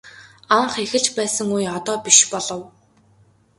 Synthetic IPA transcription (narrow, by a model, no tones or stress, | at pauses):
aɴχexɘ̆ɮt͡ɕpæːsə̆ŋujɔt̪ɔːpiʃpɔɮɞ̆w